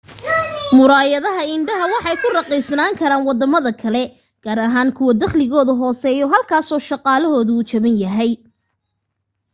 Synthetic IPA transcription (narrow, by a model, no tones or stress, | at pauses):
mʊɾaːjɐðɐɦɐɪnɖɐɦɐwɑħɑjkʰʊrɐqiːsnaːŋkʰɐɾaːnwɑd̪ɐmɐðɐkʰɐlɛ | ɡ̥aːɾɐɦaːnkʰʊwɐd̪ɐχlɪɣɔːðɐɦɔːsɛːjɔɦɐlkʰaːsɔːʃɑqɑːlɐɦɔːðɐːt͡ʃɐβɪnjɐɦɛj